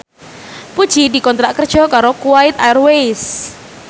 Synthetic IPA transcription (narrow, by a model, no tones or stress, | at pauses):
pud̥ʒ̥idikɔnt̪ɾaʔkərd̥ʒ̥ɔ̤kaɾokuwaɪt̪arwes